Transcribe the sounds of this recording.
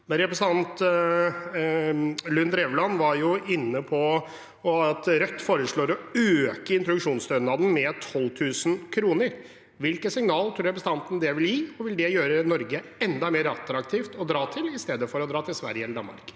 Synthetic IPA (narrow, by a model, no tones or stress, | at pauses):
mɛɾɛpɾəsəɑnt̪ | lʉnd̪ɾɛʋlɑnːʋɑɾjʊɪnːəpʰɔ | ɔɑt̪ɾœt̪ːfoːɾəʂɭoːɾɔøːkəɪnt̪ɾɔd̪ʉkʂuːnst̪œnɑd̪n̩mɛt̪ʰɔlːt̪ʰʉːsənkʰɾuːnəɾ | ʋɪlkəsɪŋnɑːlt̪ʰɾuːɾɛpɾsn̩ɑnt̪n̩d̪ɛʋɪljiːɔʋɪld̪ɛjøːɾənɔɾɡəɛnd̪ɑmeːɾəɑt̪ɾɑkt̪ʰiːft̪ɔd̪ɾɑːt̪ʰɪlɪst̪eːd̪əfɔɾɔd̪ɾɑːt̪ʰɪlsʋæ̰ɾjəɛlːəɖɑ̰nːmɑ̰ɾk